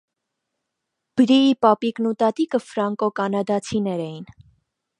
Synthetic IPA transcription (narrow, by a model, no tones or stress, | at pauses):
b̥əɾiipɑpiknut̪ɑt̪ikəfɾɑŋkɔkɑnɑd̪ɑt͡sʰinɛɾɛjin